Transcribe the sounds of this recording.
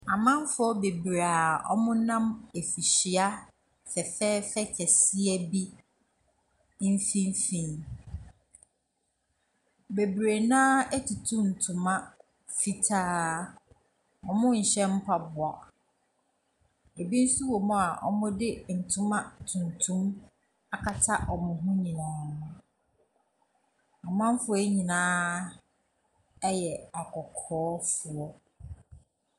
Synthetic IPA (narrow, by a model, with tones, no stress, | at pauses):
a˨mã˦m˦fʊ˦ɔ˦be˨bɾe˨a˨ɔ̰˦mʊ̃˦nã˦me˨fi˨ɕi˨a˦ | fɛ˨fɛː˦fɛ˦t͡ɕʰɛ˨sɪ˦ɛ˦bi˦ | n̩˦fĩ˦m˦fĩ˨n | be˨bɾe˨nãː˦ɛ˦tʰɪ˨tʰũ˦n̩˨tʰʊ̃˨mã˦ | fi˦tʰaː˦ | ɔ̰˨mʊ̃˦ɲ̩˨ɕɛ̃˦m̩˦pʰa˨bʊ˨a˨ | e˨bi˦n̩˦su˦wɔ˨mʊ̃˦a˨ʔɔ̰˦mʊ̃˦dɪ˦n̩˨tʰʊ̃˦mã˦tʰũ˨ntʰũ˦m | a˨kʰa˦tʰa˦ʔɔ˨mʊ̃˨ɦʊ̃˦ɲĩ˨nãː˦ | ɔ˨m˦ã˦m˦fʊ˦e˦ɲĩ˨nãː˦ | ɛ˦jɛ˨a˨kʰɔ˨kʰɔː˦fʊ˨ɔ˦